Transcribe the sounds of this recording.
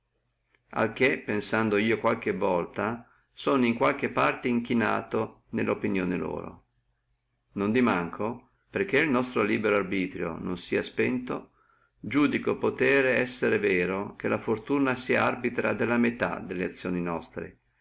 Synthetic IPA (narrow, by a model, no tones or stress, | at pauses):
a̰lk̟epːensand̪oiːokwalk̟evːɔlt̪a | soːniŋkwalk̟epːart̪eiŋk̟ina̰ːt̪o | nelːopinjoːnelo̰ːɾo̰ | nond̪imaŋkʰo | perk̟ːeilnɔst̪ɾoliːbeɾoarbiːt̪ɾjo̰nonsiːaspɛnt̪o | d͡ʒuːd̪ikopot̪ɛːɾeɛsːeɾevɛːɾok̟elʔafort̪uːnasiaarbit̪ɾad̪elːamet̪a̰d̪elːeat̪sːjoːninɔst̪ɾḛ